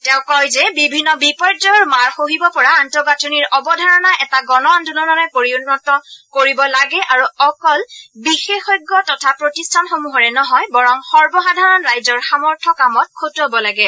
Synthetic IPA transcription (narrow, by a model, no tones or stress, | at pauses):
tɛʊ̃kɔjzɛbibʱinːɔbipɔɹdɔɹmaɹxoɦibɔpɔɹaːntɔɡatʰoniɹʔɔbɔdʱaɹɔnaʔɛtaɡɔnɔandunɔnɔnɔpoɹiunːɔtɔkoɹibɔlaɡɛʔaɹuɔkɔlbixexɔjɡːɔtɔtʰapɹotistʰanxomuɦɔɹɛnɔɦɔjbɔɹɔŋxɔɹbɔxadʱaɹɔnɹajzɔɹxamɔɹtʰɔkamɔt̚kʰotɦɔbɔlaɡɛ